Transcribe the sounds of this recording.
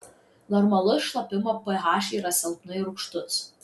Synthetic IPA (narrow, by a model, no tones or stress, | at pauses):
nɔɾmɐlˠʊsʃlˠɐpʲɪmɐpɐɦɑːʃʲɛɾɐsʲɛlˠpnʊɪɾʊkʃt̪ʊs